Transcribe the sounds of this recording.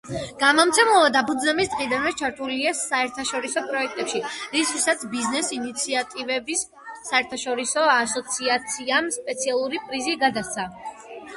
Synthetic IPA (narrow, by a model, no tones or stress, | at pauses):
ɡ̥amɔmt̪sʰɛmlˠvad̪apud̪znamisd̪ʁid̪anɛt͡ʃʰaɾt̪ʰuliasaɛɾt̪ʰaʃɔɾisɔpʼɾɔɛk̚ʰt̪ʼɛpʃiɾiskʰisat̪sʰbiznɛsinit̪sʰiat̪ʼivɛbisː | aɛɾt̪ʰaʃɔɾisɔasɔt̪sʰiat̪sʰiamspʼɛt̪sʰialˠuɾipʼɾiziɡad̪at̪sʰa